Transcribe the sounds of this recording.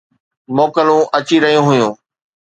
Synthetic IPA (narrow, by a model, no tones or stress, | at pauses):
moːkəlũʔɐt͡ɕiɾɐɦijũɦʊjũː